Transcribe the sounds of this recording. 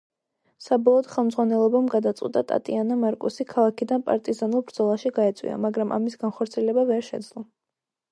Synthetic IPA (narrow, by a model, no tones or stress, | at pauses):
sabɔlˠɔd̪̥χɛlˠmd̪zʁwanɛlˠɔbamɡad̪at̪sʼwḭt̪ʼat̪ʼa̰t̪ʼianamaɾkʼusikʰalˠakʰid̪anpʼa̰ɾt̪ʼizanulˠbɾd̪zɔlˠaʃiɡaɛt̪sʼwḭa̰maɡɾamʔa̰misɡanχɔɾt̪sʰiɛlɛbavɛɾʃɛd̪zlˠɔ